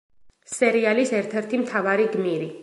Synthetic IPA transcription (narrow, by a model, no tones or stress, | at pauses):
sɛɾialisɛɾt̪ʰɛɾt̪ʰimt̪ʰavaɾiɡmiɾi